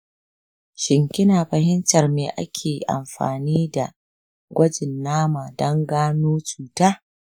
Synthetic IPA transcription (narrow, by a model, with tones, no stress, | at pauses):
ʃɪ˨ŋkʲɪ˦naː˨ɸɐ˨ɦɪ˦ntɐ˨rmeː˨ʔa̰˦kʲʰeː˨ʔa̰˨mɸa̰ː˨niː˦da˨ | ɡʷɐ˦d͡ʒɪ˨nːaː˦maː˨dɐ˦ŋɡaː˦noː˦t͡ʃuː˨taː˦